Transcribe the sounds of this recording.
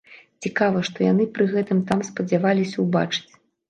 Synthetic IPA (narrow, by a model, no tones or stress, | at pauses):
t͡sʲikavɐʂt̪ɔjan̪ɨpɾɨɣɛt̪ɨmt̪amspɐd͡zʲavalʲisʲɐwba̰t͡ʂɨ̥t͡sʲ